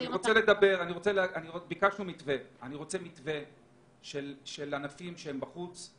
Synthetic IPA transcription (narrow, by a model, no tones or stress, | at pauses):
aniʁot͡sele̞d̪abe̞ʁaniʁo̞t͡selaniʁobikaʃnumit̪ve̞aniʁo̞t͡se̞mit̪ve̞ | ʃelʃelanafimʃehembaχut͡s